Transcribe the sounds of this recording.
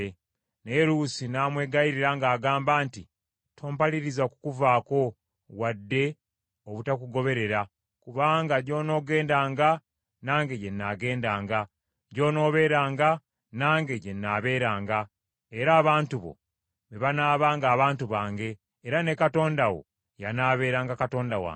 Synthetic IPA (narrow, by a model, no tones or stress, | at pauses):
neɾuːsinaːmwe̞ːɡaiɾiɾaŋɡaːɡaːmbaːnti | tʰo̞ːmpaliɾizakukuvaːko̞ | wadːe̞ | oβutak̬uɡo̞βe̞ɾe̞ɾa | kuβaːŋɡaɟo̞ːno̞ːɡe̞ːndaːŋɡa | naːŋɡe̞ɟe̞nːaɡe̞ːndaːŋɡa | ɟo̞ːno̞ːβe̞ːɾaːŋɡa | naːŋɡe̞ɟe̞nːaːβe̞ːɾaːŋɡa | eɾaːβaːntuβo̞̰ | βeβanaːβaːŋɡaːβaːntuβaːŋɡe̞ː | ɾane̞kato̞ːndawo̞̰ | janaːβe̞ːɾaːŋɡakato̞ːndawa̰ː